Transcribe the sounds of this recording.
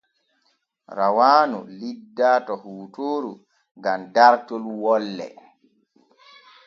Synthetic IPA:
ɾawaːnṵlidːaːtɔhuːtoːɾu | ŋɡamdaɾtolwɔlːɛ̰

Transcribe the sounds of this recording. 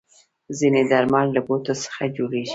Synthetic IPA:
zined̪aɾmallabot̪osə̥xad͡ʒoɽeʒi

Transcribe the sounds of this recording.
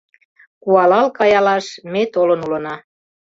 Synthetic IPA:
kuɑlɑlkɑjɑlɑʃmet̪olənulənɑ

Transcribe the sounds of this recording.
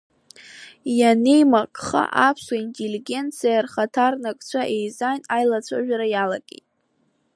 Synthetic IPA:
jane̞jmakʼχa̰ʔapʰswaintʼeliɡʲe̞nt͡sʰijarχatʰarnakʼt͡ɕʷʰaʔe̞jzajnajlat͡sʷʰaʒᶣaɾajala̰ɡʲʼḛjtʼ

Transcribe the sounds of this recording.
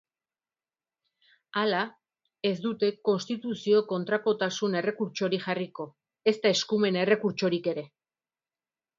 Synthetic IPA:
ala | e̞zd̪ut̪e̞ko̞nst̪it̪usio̞ko̞nt̪ɾako̞t̪asune̞re̞kuɾt͡ʃo̞ɾiʝariko̞ | e̞st̪ae̞skume̞ne̞re̞kuɾt͡ʃo̞ɾike̞ɾe̞

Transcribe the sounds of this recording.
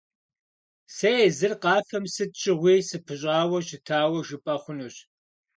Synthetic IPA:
sɐezɨrqɑːfɐmsɨt̚t͡ʃʼɪʁʷiːsɨpʰɨɕ̬ʼɑːwɐɕɪtʰaːwɐʒɨpʼɐχʷʊnuːɕ

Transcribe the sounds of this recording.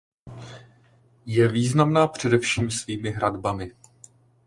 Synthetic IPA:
jɛviːznamnaːpr̝̥ɛdɛfʃiːmsviːmɪɦɾadbamɪ

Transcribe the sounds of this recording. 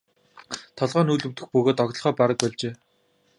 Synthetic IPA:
t̪ʰɔɮʁœːnuːɮɵ̆wt̪ɘ̆xpɵɣoːt̪ɔɣʲt̪̆χɔːpaɾə̆k̚pɔɮt͡ɕeː

